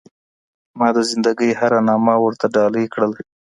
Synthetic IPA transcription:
mɑd̪əzɪnd̪aɡəjhaɾanɑmawəɾt̪aɖɑləjkɽəl

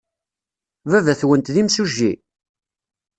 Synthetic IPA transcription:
vævæθwənt̪ðimsuʒːi

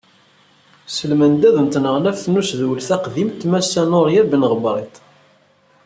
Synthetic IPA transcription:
səlmənd̪æðənt̪nəʁlæfθnusðwəlθæqðimt̪mæsːænoɾjæbənʁbɾˤit̪

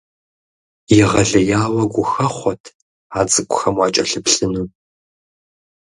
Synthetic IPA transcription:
jɪʁɐɮɐjaːwɐɡʷʊxɐχʷɔtʰ | aːt͡sʼɨkʷʊxɐmwɑːt͡ʃʼɐɬɨpɬɨnu

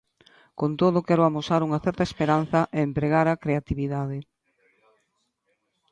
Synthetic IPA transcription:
kont̪oðokɛɾoamosaɾuŋɐθɛɾt̪ɐespeɾan̟θɐʔeːmpɾeɣaɾakɾeat̪iβiðað̞ɪ

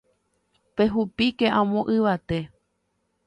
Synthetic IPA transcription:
pe̞ɦupike̞ʔãmõʔɨʋat̪e̞

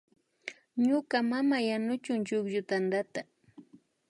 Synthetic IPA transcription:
ɲʊkamamajanʊt͡ʃʊŋt͡ʃʊkjʊt̪and̪at̪a

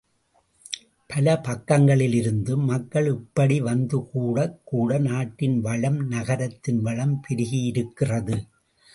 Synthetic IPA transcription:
pʰɐlɐpɐkːɐŋɡɐɭɪlɪɾɯnd̪ɯmɐkːɐɭɪpːɐɽiʋɐnd̪ɯkuːɽɐkːuːɽɐnaːʈːɪnʋɐɭɐmnɐɣɐɾɐt̪ːɪnʋɐɭɐmpɪɾɪɣijɪɾɯkːɪrɐðɯ

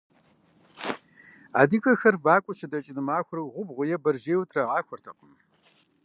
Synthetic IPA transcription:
a̰ːdikʼɐxɐrvaːkʷʼʊʃɪdɐt͡ʃʼɪnɨmaːxʷʊrɨwʁʷʊbʁʷʊjɛbɐrʒeːwtʰrɐʁɑːxʷɔrtʰɐqəm

